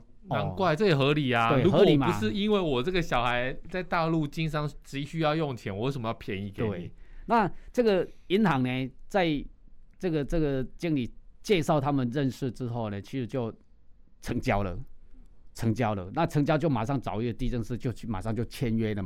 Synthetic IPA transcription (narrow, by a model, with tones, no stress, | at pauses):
na˧˦nkwa˥˧ɪt͡sɤ˥˩jɛ˨˩xɤ˧˥li˨˩at̪e˥˩u˧˥xɤ˧˥li˨˩mau˧˦ʂɻ̩˥˨i˦˥nwe˥˩ɪwɔ˨˩ʈ͡ʂə˥˩ɡə˩ɕjɑ˨˩ʊxa˧˦ɪt͡sa˥˧ɪt̪a˥˧lu˥˧t͡ɕi˥nʂɑ˥ŋʈ͡ʂɻ̩˧˥i˨˩ɕy˥jɑ˥˧ʊjɔ˥˨ŋt͡ɕʰjɛ˧˥nwɔ˨˧e˥˩ʂə˨˩mə˦jɑ˥˩ʊpʰjɛ˧˦ni˧˩k̪we˥˩ɪ˨˦na˥˩ʈ͡ʂɤ˥˩ɡə˨˩i˧˥nhɑ˨˧˥ŋne˧t͡sa˥˧ɪʈ͡ʂɤ˥˩ɡə˩ʈ͡ʂɤ˥˩ɡə˩t͡ɕi˥ŋli˨˩t͡ɕjɛ˥˧ʂɑ˥˩ʊt̪ʰa˥mə˨nɻə˥˧nʂɻ̩˥˩ʈ͡ʂɻ̩˥xo˥˩ʊne˩t͡ɕʰi˧˥ʂɻ̩˧˥t͡ɕjo˥˩ʊ | ʈ͡ʂʰɤ˧˥ŋt͡ɕjɑ˥ʊlə̰˨ | ʈ͡ʂʰɤ˧˥ŋt͡ɕjɑ˥ʊlə̰˨na˥˨ʈ͡ʂʰɤ˧˥ŋt͡ɕjɑ˥ʊt͡ɕjo˥˩ʊma˨˩ʂɑ˥˩ŋt͡sɑ˨˩ʊi˥˩ɡə˩t̪i˥˧ʈ͡ʂə˥˧ŋʂɻ̩˥˧t͡ɕjo˥˧ʊt͡ɕʰy˥˩ma̰˨˩ʂɑ˥˧ŋt͡ɕjo˥˩ʊt͡ɕʰjɛ˥˧nɥɛ˥lə˨˩